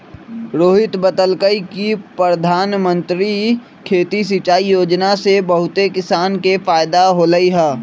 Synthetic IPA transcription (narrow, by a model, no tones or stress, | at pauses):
ɾoːɦɪt̪bət̪əlkəikipɾəd̪ʱaːnmə̃nt̪ɾi | kʰeːt̪is̬it͡ʃaːijoːd͡ʒnasebɐɦʊt̪ekɪsaːnkefaːɪd̪aɦolɐiɦɛː